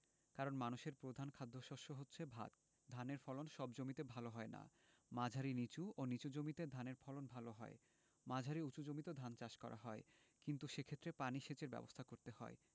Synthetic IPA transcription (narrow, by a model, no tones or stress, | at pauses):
kaɾonmanuʃeɾpɾod̪ʱankʰad̪ʱːoʃoʃoɦotːɕʰebʱa̰t̪ | d̪ʱaneɾfɔlonʃɔbd͡ʑomit̪ebʱaloɦɔena̰mad͡ʑʱaɾinit͡ɕuonit͡ɕud͡ʑomit̪ed̪ʱaneɾfɔlonbʱaloɦɔe | mad͡ʑʱaɾiut͡ɕud͡ʑomit̪ed̪ʱant͡ɕaʃkɔ̰ɾʔa̰ɦɔe | kint̪uʃekʰet̪ːɾepaniʃet͡ɕeɾbɛ̰bost̪ʰakoɾt̪eɦɔ̰e